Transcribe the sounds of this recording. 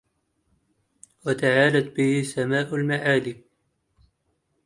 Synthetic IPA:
wat̪aʕaːlat̪̚bɪhɪsamaːʔalmaʕaːliː

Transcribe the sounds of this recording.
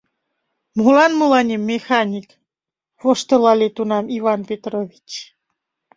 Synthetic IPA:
mulɑnmulɑnʲimːexɑnʲik | βoʃt̪əlɑlʲet̪unɑmivɑnpʲet̪ɾovʲit͡ɕ

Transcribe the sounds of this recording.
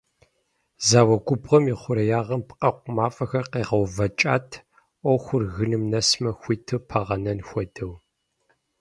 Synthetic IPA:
zaːwɐɡʷʊbʁɐmiːχʷʊɾɐjaːʁɐmpqʼɐqʷʊmaːfʼɐxɐrqeːʁɐwvɐt͡ʃʼaːtʰ | ʔʷɔwxʷʊrɣɨnɨmnɐsmɐxʷiːtʰɨpʰɐʁɐnɐnxʷɔdɐw

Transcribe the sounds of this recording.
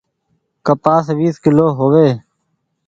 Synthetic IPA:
kəpaːsʋiːskɪloːɦoːʋeː

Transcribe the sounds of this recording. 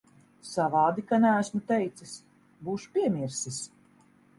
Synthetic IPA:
savɑːd̪ikanææsmut̪ɛjt̪sɨs | buːʃu̥pʲiɛmʲiɾsis

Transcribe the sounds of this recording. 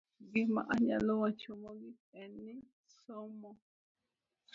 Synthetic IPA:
ɡimã̰ʔaɲa̰lowãt͡ʃomɔɡi | ɛnːi | somɔ

